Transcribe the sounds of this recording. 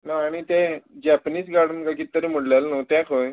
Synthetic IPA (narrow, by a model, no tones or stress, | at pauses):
naːɽ̃it̪ẽd͡ʑɛpniːsɡaɽənkakit̪ːəɾem̤əɽljalnot̪jãkʰoj